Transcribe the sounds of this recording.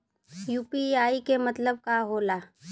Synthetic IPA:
juːpiaːikemɐt̪ləb̚kaːɦoːlaː

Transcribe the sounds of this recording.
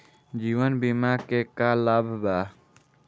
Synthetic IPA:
d͡ʒiːʋənbimaːkeːkaːlabʱbaː

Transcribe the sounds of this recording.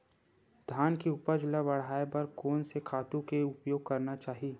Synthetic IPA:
d̪̥ʱjaːnkiʊpəɾd͡ʒlabɐɽ̤aːepɐɾkoːnsekʰaːt̪ũkeʊpjoːɡ̚kɐɾnat͡ʃaːɦi

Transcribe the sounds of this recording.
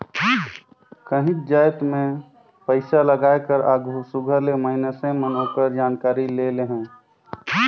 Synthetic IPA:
kəɦĩt̪̚d͡ʒaːɪt̪mẽ | pəɪsaləɡaːekəɾʔaːɡusuɡʱəleməɪnəsẽmənõːkəɾd͡ʒaːnkaːɾileleɦɛ̃ː

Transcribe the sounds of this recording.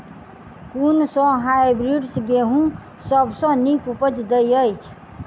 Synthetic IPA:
kunsɔ̃ɦajbɾiɖsɡeɦũ | səbsɔ̃nikupəd͡ʒd̪əjəjt͡ʃʰ

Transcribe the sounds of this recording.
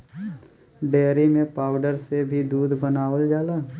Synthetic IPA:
ɖeːɾimẽpaːʊɖəɾsebʱid̪uːd̪ʱbənaːʋəld͡ʒaːlaː

